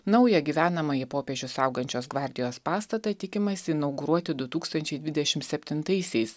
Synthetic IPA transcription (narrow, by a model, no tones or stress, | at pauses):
nɐʊjɛɡʲiːʋʲæːnɐmɐjɪpoːpʲeːʒʲʊsɐʊɡɐnʲt͡ʃʲoːsɡʋɑˑɾʲd̪ʲɪjoːspɑːst̪ɐt̪ɐt̪ʲɪkʲɪmɐsʲɪːnɐʊɡʊɾuɔt̪ʲɪd̪ʊt̪uːkst̪ɐnʲt͡ʃʲɛɪd̪ʋʲɪd̪ʲɛʃʲɪmsʲɛpʲt̪ʲɪnt̪ɐɪsʲɛɪs